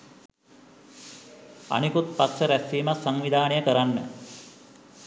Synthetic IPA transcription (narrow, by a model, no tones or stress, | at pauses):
a̰nikut̪̚pat̪səɾæsiːmassaŋʋid̪ʱaːnejəkəɾanːə̰